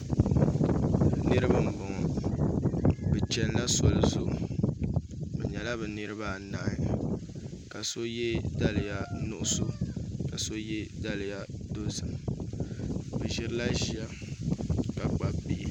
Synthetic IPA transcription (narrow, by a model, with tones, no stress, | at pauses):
nɨ˦ɾɨ˦ba˦m̩˨ɡ͡bɔ˨ŋɔ˨ | bɛ˨t͡ʃɛ˦n˦la˦sɔ˨lɨ˨zʊ˦˨ | bɛ̰˨ɲɛ˨la˦bɛ˨nɨ˦ɾɨ˦ba˦˨na˨˦ɪ˦ | ka˨so˦jɛ˦da˦lɨ˨ja˨nʊ˦ʔʊ˦so˦ka˨so˦jɛ˦da˦lja˦do˦zɨ˨m | bɛ˨ʒɪ˦ɾɨ˦la˦ʒi˦a˦ | ka˨k͡pa˨bi˦